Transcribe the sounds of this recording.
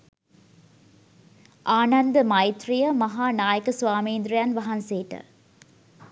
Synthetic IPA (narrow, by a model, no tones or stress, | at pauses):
ʔaːnɐnd̪əmɐjt̪rijɐmɐɦaːnaːjəkɐsʋaːmiːnd̪ɾɐjaːnʋɐɦɐnseːʈə̰